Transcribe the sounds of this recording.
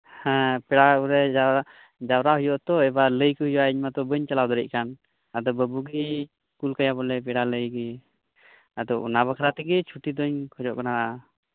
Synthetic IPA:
hɛ̃pɛɽaɾɛd͡ʒaa | d͡ʒawɾahujɔʔt̪ɔɛbaləjkəɦujwaʔiɲmat̪ɔbəɲt͡ʃalawd̪ɔɾɛc̚kan | ad̪ɔbəbuɡi | kulkajabɔlɛpɛɽaləjɡi | ad̪ɔʔnaβakʰaɾat̪ɛɡɛt͡ʃʰuʈid̪ɔɲkʰɔd͡ʒɔʔkanaa

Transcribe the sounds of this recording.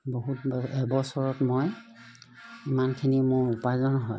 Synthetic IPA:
boɦutɛbɔsɔɹɔtmoj | imankʰinimʊɹupazɔnɔɦɔj

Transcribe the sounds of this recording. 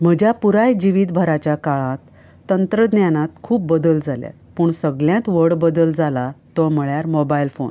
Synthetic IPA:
m̤əd͡ʑjapuɾajd͡ʑiʋiːd̪bʱəɾat͡ɕjakaɭãt̪ː | ənt̪ɾəd̪njanãt̪kʰuːp̚bəd̪əld͡zalja̰ | pəːɳsəɡɭjãt̪ʋəɽbəd̪əld͡zalat̪ɔm̤əɭjaɾmɔbailfo̰n

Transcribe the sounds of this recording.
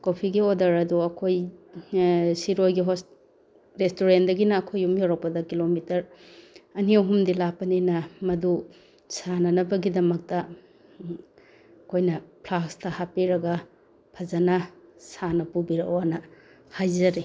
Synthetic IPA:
kopʰiɡiodɐɾɐduɐkʰoj | siɾojɡiɦos | ɾestoɾendɐɡinɐːkʰojumjawɾɐk̚pɐdɐkilomitɐɾ | ɐniɐwɦumdilapɐninɐmɐdu | sanɐnɐbɐɡidɐmɐk̚tɐ | ɐkʰojnɐpʰlakstɐhapiɾɐɡɐ | pʰɐzɐnɐsanɐpubiɾɐ̰owanɐ | hajzɐɾi

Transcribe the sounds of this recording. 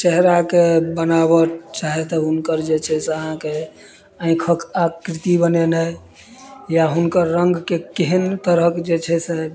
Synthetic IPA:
t͡ʃɛɦɾakebənaβət͡ʃaɦɛt̪ɔɦunkəɾd͡ʒet͡ʃʰɛseəɦãke | ə̃ɪ̃kʰəkakɾit̪ibənenəj | jaɦunkəɾːəŋɡkekeɦənt̪əɾəkd͡ʒet͡ʃʰɛse

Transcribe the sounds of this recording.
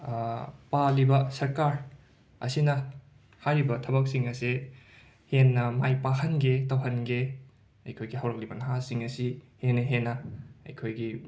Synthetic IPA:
palibɐsɐɾkaɾ | ɐ̰sinɐ | hajɾibɐtʰɐbɐk̚siŋɐse | henːɐmajpaɦɐnɡetɐwɦɐnɡe | ɐjkʰojɡiɦɐwɾɐk̚libɐnɐɦasiŋɐsihenːɐɦenːɐɐ̰jkʰojɡi

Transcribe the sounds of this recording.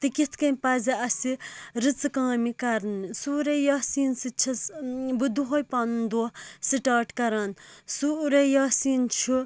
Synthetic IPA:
t̪ikit̪ʰkɐnpaziɐsiɾɨt͡sɨkãŋmikaɾnsuɾejasiːnsit͡ʃʰɐsbud̪uɦojpannd̪usiʈaːʈkɐɾaːnsuɾejasiːnt͡ʃʰu

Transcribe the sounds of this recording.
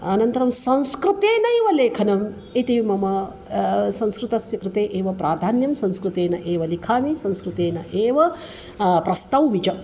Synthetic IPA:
ɐnɐnt̪ɐɾɐmsɐ̃ñskɾut̪eːnɐeːʋɐleːkʰɐnɐm | et̪iʋimɐmɐ | sɐ̃nskɾut̪ɐsjɐkɾɨt̪eːʔeːʋɐpɾaːd̪ʱaːnjɐmsɐ̃nskɾut̪eːnɐʔeːʋɐlikʰaːmisɐ̃ñskɾut̪eːnɐʔeːʋɐ | pɾɐst̪ɐwmit͡ʃɐ

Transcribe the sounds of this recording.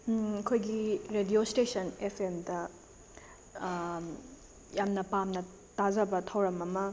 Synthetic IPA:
ɐkʰojɡiɾediostesʰɐnepʰemdɐ | jamnɐpamnɐ | tazɐbɐtʰɐwɾɐmɐmɐ

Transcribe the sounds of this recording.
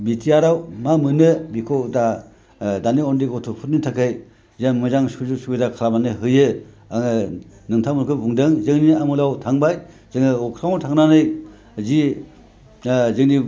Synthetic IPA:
bitʰijaɾawmamɯnɯbikʰoda | daniɔndikɔtʰupʰut̚nitʰakʰɯj | zeŋmɯzaŋsuzuk̚subidakʰalamanɯɦɯjɯ | aŋɯnɯŋtʰamunkʰɯbuŋdɯŋzɯŋniamulawtʰaŋbaj | zɯŋɯɔkʰɾawtʰaŋnanɯj | zi | zɯŋni

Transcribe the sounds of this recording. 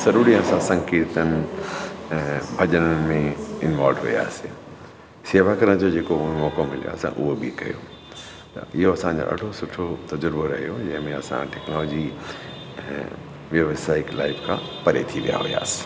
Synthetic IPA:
z̥ɐɾuːɾiaːsãsɐ̃ŋkiːɾt̪ənɪ̆̃ | bʱɐd͡ʑənənɪ̆mẽɪnʋaːlɖɦuija̰ːsi | seːʋakɐɾəɽ̃d͡ʑod͡ʑeːkoʊɦemɔːkomɪlija̰ːsḭ̃ʔʊɦobʱikɐjo̰ | t̪ɐ̰ɪɦoɐsãɲd͡ʑo̰ːʔɐ̰ɖʱosʊʈʰot̪ɐd͡ʑəɾboɾɐɦijod͡ʑɐ̃ɦɪ̃mẽɐsã̰ʈɛknɔːlɔːd͡ʑĩ | ʋjɐʋsaːɪklaːɪfkʰã | pɐɾḛt̪ʰiʋija̰ɦʊ̰ja̰ːsɪ̥

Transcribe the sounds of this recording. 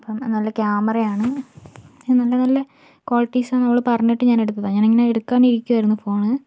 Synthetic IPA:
ɐpːɐmnɐlːɐkjaːmɐrɐjaːɳɨ | inɐlːɐnɐlːɐ | koːlʈːiːsaːnɐmːɐɭɨpɐrɐɲːiʈːɨɲaːneɽut̪ːɐðaɲaːneŋːɐneeɽukːaːɳiɾikʲːuʋɐɾunːɐfo̞ːɳɨ

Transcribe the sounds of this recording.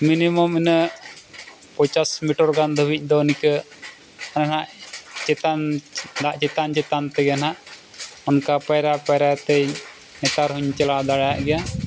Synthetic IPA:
minimɔminə | pɔt͡ʃasmiʈɔɾɡand̪ʱəbic̚ˀd̪ɔnikə | ananaʔt͡ʃɛt̪and̪aʔt͡ʃɛt̪ant͡ʃɛt̪ant̪ɛɡanaʔ | ɔnkapajɾapajɾat̪ɛj | nɛt̪aɾɦuɲt͡ʃɛlad̪aɽajaʔɡɛja

